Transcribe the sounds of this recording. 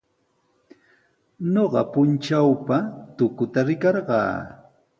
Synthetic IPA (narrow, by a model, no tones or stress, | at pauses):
noɢɑpʊnt͡ʃawpat̪ʊkʊt̪aɾɪkɑɾɢɑ̰ː